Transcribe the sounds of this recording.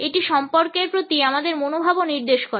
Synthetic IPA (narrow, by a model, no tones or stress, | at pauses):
eʈiʃɔmpoɾkeɾpɾot̪iamad̪eɾmonobʱaboniɾd̪eʃkoɾe